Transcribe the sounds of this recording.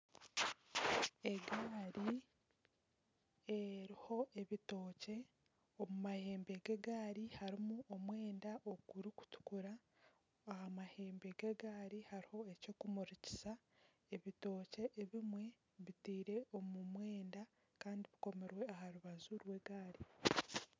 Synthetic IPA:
e̞ɡaːɾi | eɾiho̞e̞βitoːce̞ | omumahe̞ːmbe̞ɡe̞ɡaːɾihaɾimuʔomwe̞ːndaʔoɡuɾiku̥tu̥kuɾa | ahamahe̞ːmbe̞ɡeɡaːɾihaɾiho̞e̞co̞ːkumuɾici̥sa | eβito̞ːce̞ʔːβimwe̞ | βitiːɾe̞ʔo̞mumwe̞ːnda | kaːndiβiko̞me̞ɾwe̞ahaɾuβazuɾwe̞ɡaːɾi

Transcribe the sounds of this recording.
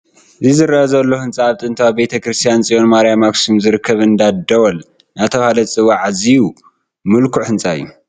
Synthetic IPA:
ɨzizɨɾaʔɐzɐlːohɨnt͡sʼaːβt̪ʼɨnt̪ʰawbe̞t̪ʰɐkɾɨst̪ʰijant͡sʼionmaɾjamaksumzɨɾɨkʰːɐβɨnd̪ad̪ɐwɐl | nat̪ʰɐβhalɐt͡sʼɨwaʕaziju | mɨlkʰuhɨnt͡sʼajːu

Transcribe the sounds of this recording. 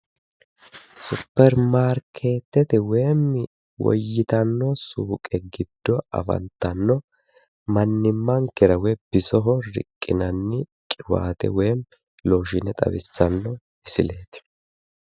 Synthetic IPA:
sʊpːɛɾmaːɾkʰeːt̪ːɛt̪ɛweːmːɪ | wɔ̰jːɪt̪ɐnːɔsuːkʼɛɡɪd̪̥ːɔɐ̰fɐ̰nt̪ːɐnːɔ | mɐnːɪmːɐŋkɪɾɐwɛb̥ɪsɔɦɔɾɪ̰kʼːɪnɐnːɪkʼɪwa̰ːt̪ɛ̰weːm | loːʃɪnɛt̪ʼɐ̰bɪ̰sːɐnːɔ | ɪsɪ̰le̞ːt̪ɪ̥

